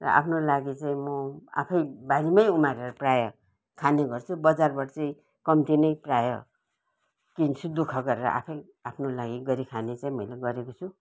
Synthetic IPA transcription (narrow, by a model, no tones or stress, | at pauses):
rʌ̰ʔa̰pʰnolaɡit͡saĩmʌa̰pʰʌjbaɾimʌjumaɾeɾʌprajʌ | kʰaneɡʌrt͡sʰubʌd͡zarbʌʈt͡saĩ | kʌmt̪inʌjprajʌ | kint͡sʰud̪ukʰʌɡʌɾeɾʌ̰ʔa̰pʰʌj | apʰnolaɡiɡʌɾikʰanet͡saĩmʌjleɡʌɾekot͡sʰu